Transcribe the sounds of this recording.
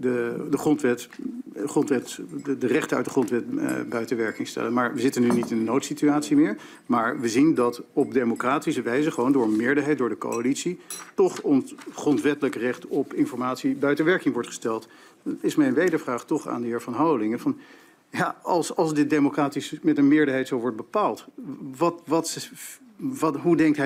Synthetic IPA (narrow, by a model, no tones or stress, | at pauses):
dədəχrɔntʋɛt | əχrɔntʋɛtdərɛχtənœ̰ɥt̚dəχrɔntʋɛt̚bœɥtəʋɛɹkɪŋstɛ̰lənmaːɹʋəzɪtənynitɪndənowtsityaːtsimɪːɹ | maːɹʋəzindɑtɔb̚demokraːtisəʋɛjzəχəʋowndʊːɹmɪːɹdəɹɦɛjt̚dʊːɹdəko̰walitsitɔχɔnsχrɔntʋɛtələkrɪχtɔpɪnfɔɹmaːtsibœɥtəʋɛɹkɪŋʋɔɹtχə̥stɛlˠt | dɑnɪsmɛjnʋejdəɹvraːχtɔχa̰ːndəɦɪːɹvɑnɦawəlɪŋəvɑn | jaɑlˠsɑlˠzdɪt̚demokraːtismɛtənmɪːɹdəɹɦɛjtsowʋɔɹt̚bəpaːlˠtʋɑtʋɑt | ɦudɛŋktɦɛ